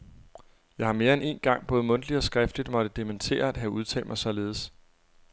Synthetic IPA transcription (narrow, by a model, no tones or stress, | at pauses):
jɑ̈ɪhɑ̈me̝ːɐene̝̰ːnɡ̥ɑ̈ŋ̰b̥ɔ̽ːðˠmɔ̽nd̥lid̥ɒ̽sɡ̥ʁɛfd̥lid̥mɒ̽d̥əd̥ement͡sʰe̝̰ːɐæd̥ɦæuð̞ˠt͡sʰɛ̰ːld̥mɑ̈ɪsɒ̽le̝ːð̞̩ˠs